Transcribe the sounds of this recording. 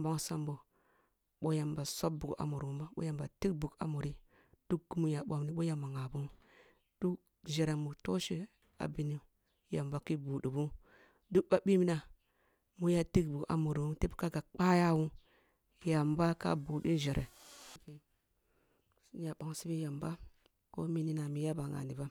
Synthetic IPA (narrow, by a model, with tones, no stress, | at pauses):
ba˦ŋsa˦mbo˨ | ɓo˦ja˨mba˨so˦b̚bu˨ɡa̰˨mo˨ɾwu˦ma˦ɓo̰˦ja˨mba˨ti˦k̚bu˨ɡa̰˨mo˨ɾi˦ | d̥u˦kɡi˦mu˨ja˨ɓo˨m˦ni˦ɓo˦ja˨ma˨ŋa˨bu˦ | d̥u˦k | ʒe˨ɾe˨mu˨to˦ʃi˦ | a̰˨bi˨ni˦ | ja˨mba˨ki˦bu˨ɗi˨bu˦ | du˦k̚ba˦ɓi˦mi˦na˨ | mu˦ja˦ti˦kbu˨a̰˨mu˨ɾi˨wu˦te˦bka˦ɡa˨k͡pa˦ja˦˨wu˦ | ja˨mba˦ka̰˦bu˨di˦ʒe˨ɾʔḛ˨˦ki˨ | sja˨ɓa˨ŋ˨si˦bi˦ja˨mba˦ | ko̰˦mi˦ni˦na˨mi˨˦ja˦ba˨ŋa̰˨ni˨ba˦